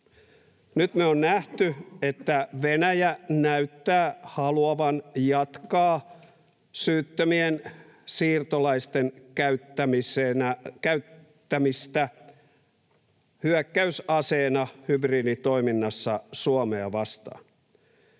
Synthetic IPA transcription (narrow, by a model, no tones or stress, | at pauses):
nyt̪meonnæht̪yet̪ːæʋenæjænæyt̪ːæːhɑluɑʋɑnjɑt̪kɑː | syːt̪ːømien | siːrt̪olɑist̪enkæyt̪ːæmisenækæytː | æmist̪æ | hyækːæysɑseːnɑhybriːdit̪o̞iminːɑsːɑsuɑmeɑʋɑst̪ɑ̰ː